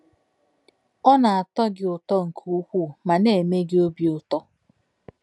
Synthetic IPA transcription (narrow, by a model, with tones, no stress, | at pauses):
ɔ˦na˨a˨tɔ˦ɡɪ˨ʊ˨tɔ˦ŋ̩˨kʰu˦kʷu˦˨ma˨ne˨me˦ɡɪ˦o˦bi˦ʊ˨tɔ˦